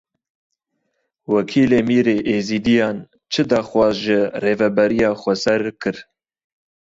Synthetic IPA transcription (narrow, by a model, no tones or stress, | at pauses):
wɛkʰiːleːmiːɾeːʔeːziːd̪ijɑːn | t͡ʃʰɨd̪ɑːxwʷɑːzʒɨreːvɛbɛɾijɑːxʷɛsɛɾkʰɨɾ